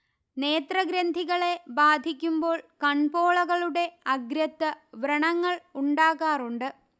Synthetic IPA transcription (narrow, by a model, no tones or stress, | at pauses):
ne̞ːt̪rɐɡɾɐnd̪ʱiɣɐɭe̞baːd̪ʱikʲːumbo̞ːɭkɐɳpo̞ːɭɐɣɐɭuɽe̞ɐɡɾɐt̪ːɨʋrɐɳɐŋːɐɭuɳɖaːɣaːruɳɖɨ